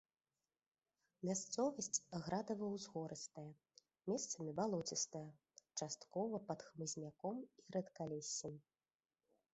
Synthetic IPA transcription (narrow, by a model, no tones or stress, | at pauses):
mʲast̪sɔvɐsʲt͡sʲɣɾad̪ɐvɐwzɣɔɾɨst̪ɐjɐ | mʲɛst̪sɐmʲibalˠɔt͡sʲist̪ɐjɐ | t͡ʂast̪kɔvɐpɐt̪xmɨzʲnʲakɔmiɾɐt̪kalʲɛsʲːim